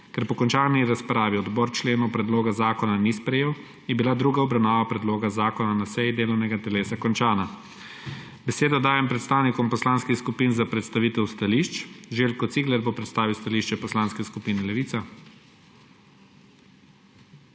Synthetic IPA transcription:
kɛɾpɔkɔnt͡ʃaːniɾaspɾaːʋiɔd̪bɔːɾt͡ʃleːnɔwpɾɛd̪loːɡazaːkɔnanispɾɛjeːw | jɛbilad̪ɾuːɡaɔbɾawnaːʋapɾɛd̪loːɡazaːkɔnanasɛjid̪eːlɔwnɛɡat̪ɛleːsakɔnt͡ʃaːna | bɛseːd̪ɔd̪aːjɛmpɾɛt̪st̪aːwnikɔmpɔslaːnskixskupinzapɾɛt̪st̪aʋiːt̪ɛwst̪aliʃt͡ʃʒeːlkɔt̪siːɡlɛɾbopɾɛt̪st̪aːʋiwst̪aliʃt͡ʃɛpɔslaːnskɛskupiːnɛlɛʋiːt̪sa

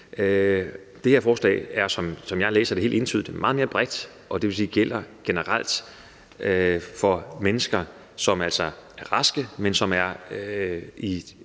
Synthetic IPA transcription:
ø | d̥e̝heɐfɒːslɛ̰ːɪæɐsɒ̽msɒ̽mjɑ̈ɪlḛːsɐd̥eh̝ːld̥e̝nt͡sʰy̰ð̰̥ˠmɑ̈ːð̞̩ˠme̝ːɐb̥ʁɛd̥ | ʔɒ̽d̥e̝ʋe̝siːɡ̥el̰ɐɡ̥e̝nəʁal̰d̥ | fɒ̽menəsɡ̥ɐ | sɒ̽mæl̰sɒæɐʁɑ̈sɡ̥əmensɒ̽mæɐ | i

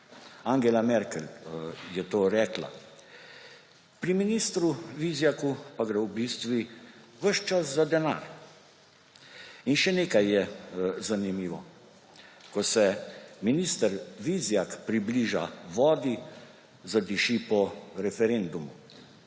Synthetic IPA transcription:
aŋɡɛlamɛɾkɛljɛt̪oːɾɛːkla̰ | pɾiminiːst̪ɾuʋizjakupaɡɾɛwbist̪ʋiʋəʃt͡ʃaszad̪ɛna̰ːɾ | inʃɛneːkajːɛzanimiːʋɔ | kɔsɛminist̪əɾʋizjakpɾibliʒa̰ʋɔːd̪i | zad̪iʃipɔɾɛfɛɾend̪umu

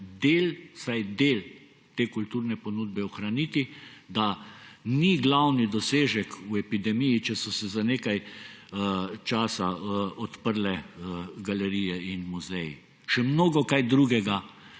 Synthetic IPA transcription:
d̪eːlsajd̪eːl | t̪eːkult̪uːɾnɛpɔnud̪̚bɛɔxɾanit̪id̪aniɡlawnid̪ɔseːʒɛkuɛpid̪ɛmijit͡ʃɛsɔsɛzaneːkaj | t͡ʃaːsaɔt̪pəɾlɛɡalɛɾijɛinmuzɛji | ʃɛmnoːɡɔkajd̪ɾuːɡɛɡa

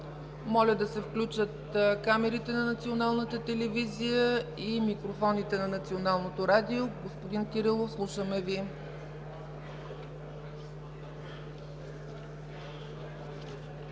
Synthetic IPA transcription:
mɔlʲəd̪ɐsɛfklʲut͡ʃət̪kamɛɾit̪ɛnɐnət̪sionalˠnət̪ət̪ɛlɛvizijəimikɾofɔnit̪ɛnɐnɐt̪sionalˠnot̪oɾad̪ioɡospod̪ink̪iɾəlˠofslˠuʃəmɛvi

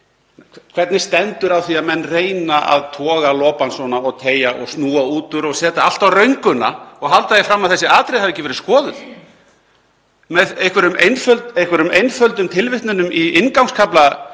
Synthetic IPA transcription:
kʰv̥ɛɾt̪nɪst̪ɛnt̪ʏɾawθiaðmɛnːreːjnaʔa̰ðt̪ʰɔːɣalɔːpansvɔnaɔɣt̪ʰeːjaʔɔ̰ɣsnuːauːt̪ʏɾɔɣsɛːt̪aal̥t̪awrœɥŋkʏnaɔɣɦalt̪aðjɪfɾamːaðθɛsːɪaːt̪ɾɪðθhavɛjcɪvɛɾɪskɔːðʏð | mɛðejhkvɛɾʏmejnfœlt̪ejhkvɛɾʏmejnfœlt̪ʏmt̪ʰɪlvɪht̪nʏnʏmiɪnkawŋkskʰapla

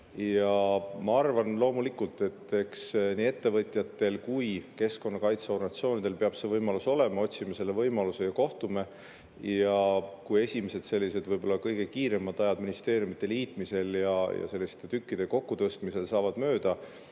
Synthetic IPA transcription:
jjɑmɑɑrvɑnlo̞ːmulikult̪ˑe̞t̪ːˑe̞ksniːet̪ːe̞vɤt̪ʲˑjɑt̪ːe̞lkujke̞sko̞nːɑkɑjt̪seo̞rnɑt̪sio̞ːnid̪̥e̞lpe̞ɑb̥se̞vɤjmɑluso̞le̞mɑo̞t̪ʲsimɑse̞lːe̞vɤjmɑluse̞jɑko̞ht̪ume̞ | jɑkuje̞sʲimese̞d̪̥se̞lʲːise̞d̪vɤjbo̞lːɑkɤjɡ̥e̞kiːɾe̞mːɑd̪̥ɑjɑd̪minist̪e̞ːɾjumit̪ːˑe̞liːt̪ˑmise̞ljɑjɑ̰se̞lːist̪e̞t̪ykːid̪̥e̞ko̞kːut̪ɤst̪mise̞lsɑːvɑd̪mø̞ːd̪̥ɑ

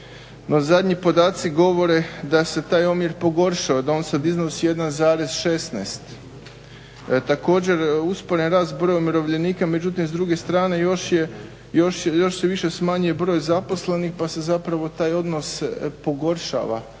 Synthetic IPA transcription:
no̞zad̪ɲipo̞d̪aːt̪siɡo̞ʋo̞ɾe̞d̪ase̞t̪aːjomiɾpo̞ɡo̞ɾʃaod̪ao̞ːnsad̪iznosije̞d̪anzaːɾe̞zʃe̞snḛst̪ | t̪ako̞ːd͡ʑe̞ɾuspo̞ɾenɾaːst̪̚bɾo̞jumiɾo̞ʋʎe̞niːkame̞d͡ʑut̪imzd̪ɾuɡe̞st̪ɾaːne̞joʃje | jo̞ʃjo̞ʃseʋiʃe̞smaːɲuje̞bɾo̞jzapo̞sle̞nixpase̞zapɾaʋo̞t̪aːjo̞d̪no̞spo̞ɡo̞ɾʃa̰ʋa̰

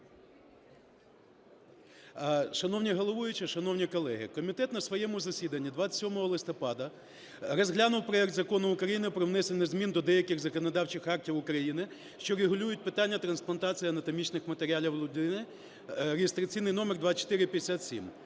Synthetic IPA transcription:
ʃɐnɔwnʲiɦɔlˠɔʋujʊt͡ʃɪʃɐnɔwnʲikɔlˠɛɦɪ̰kɔmʲit̪ɛt̪nɐsʋɔjɛmʊzɐsʲid̪ɐnʲːid̪ʋaɑt͡s̪ʲɐ̥tʲsʲɔmɔɦɔlˠɪst̪ɔpɑd̪ɐ | rɔzɦlʲanʊwpɾɔjɛk̚t̪zɐkɔnʊʊkɾɐjinɪpɾɔwnɛsenʲːɛzmʲind̪ɔd̪ɛjɐkɪxzɐkɔnɔd̪ɑwt͡ʃɪxɑrtʲiwʊkɾɐjinɪ | ʃt͡ʃɔɾeɦʊlʲujʊt̚ʲpɪt̪anʲːɐt̪ɾɐnsplˠɐnt̪ɑt͡sʲijiɐnɐt̪ɔmʲit͡ʃnɪxmɐt̪eɾʲɪɑlʲiwlʲˠʊd̪ɪnɪ | ɾeɦɪst̪ɾɐt͡sʲijnɪjnɔmerd̪ʋɑt͡ʃɔ̥t̪ɪɾɪpʲjd̪esʲat̪ʲsʲḭm

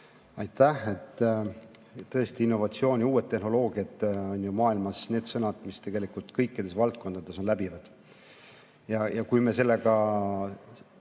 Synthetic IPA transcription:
ɑjt̪ːæhe̞t̪ː | t̪ːɤ̞e̞st̪iinːo̞vɑt̪sio̞ːnʲiuːet̪ːe̞hno̞lo̞ːɡ̥iɑt̪ːo̞nʲjumɑːilmɑsne̞ːd̪sɤnɑd̪̥mist̪e̞ɡ̥e̞likult̪kɤjkːˑid̪̥e̞svɑlt̪̚ko̞nd̪ɑd̪̥e̞so̞nlæbivɑd̪̥ | jɑjɑkujmese̞lːe̞ɡɑ

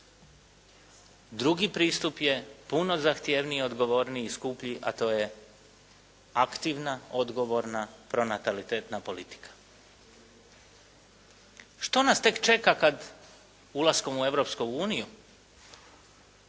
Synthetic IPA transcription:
d̪ɾuɡipɾiːst̪upje̞puno̞zaxt̪jeʋnio̞d̪ɡo̞ʋo̞ɾniːskupʎiʔa̰t̪o̞ːje̞ | akt̪iʋnaod̪ɡo̞ʋo̞ɾnapɾo̞nat̪alit̪eːt̪napo̞lit̪i̥kʰḁ | ʃt̪o̞nast̪e̞kt͡ʃe̞kakad̪ | ulasko̞mue̞ʋɾo̞pskouːniju

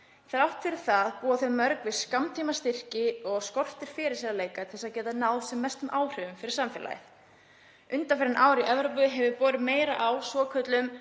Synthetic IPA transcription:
θaɾawht̪fɪɾɪɾ̥θaðpuːaθœɥmːœɾkvɪskamt̪ʰiːmast̪ɪr̥cɪɔɣskɔr̥t̪ɪɾ̥fɪɾɪɾsiːɾaleːjkḁɛsaðcɛːt̪anaːwsɛmːɛst̪ʏmʔaːwr̥ʏvʏmfɪɾɪɾ̥samfɛːla̰jɪ̰θ | ʏnt̪afɛɾɪnʔaːwɾiʔɛvɾoːpʏɦɛvʏpɔːɾɪmeːjɾa̰ʔawsvɔːkʰœt̪lʏm

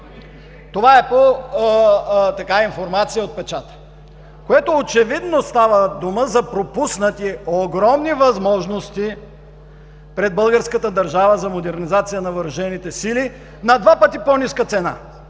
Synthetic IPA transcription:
t̪ovaɛpo | t̪ɐkaiɱfoɾmat̪sijəot̪̚pɛt͡ʃat̪ə̥ | koɛt̪oːt͡ʃɛvid̪nost̪avəd̪uməzɐpɾopusnət̪ioɡɾɔmnivɐzmɔʒnost̪i | pɾɛd̪̚bɤlˠɡəɾskət̪əd̪ɐɾʒavəzɐmod̪ɛɾnizat̪sijənɐvəɾɐʒɛnit̪ɛsili | nɐd̪vapət̪iponiskət̪sɛna̰

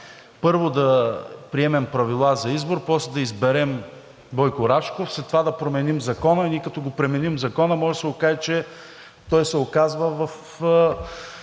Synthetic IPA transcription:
pɤɾvod̪ɐpɾiɛmɛmpɾɐvilˠazɐizboɾpɔslɛd̪ɐizbɛɾɛm | bɔjkoɾaʃkofslɛt̪ːovad̪ɐpɾomɛnimzɐkɔnəinikɐt̪ɔɡopɾɛmɛnimzɐkɔnəmɔʒɛsɛɡokaʒɛt͡ʃɛ | t̪ɔjsɛokazvəvɐf

